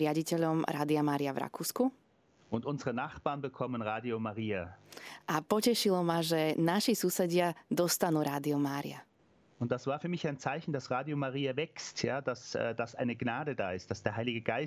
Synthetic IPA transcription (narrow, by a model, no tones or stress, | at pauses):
ɾɪaɟicɛʎɔmɾaːd̪iamaːɾiavɾa̰kuːsku | ʔʊntʔʊnzəʁənaχb̥aːɐnbəkʰɔmənʁaːdiomaʁiːaʔapɔcɛʃilɔmaʒɛnaʃisuːsɛɟɪad̪ɔst̪anuːɾaːd̪iɔmaːɾḭa̰ | ʊntd̥asv̥aːɐfyːɐmɪçaɪnt͡saɪçn̩d̥asʁaːdiomaʁiːavɛkstʰjaːdasɛːdasʔaɪnəɡnaːdəda̰ːɪst̚d̥asd̥eːɐɦaɪliɡəɡaɪ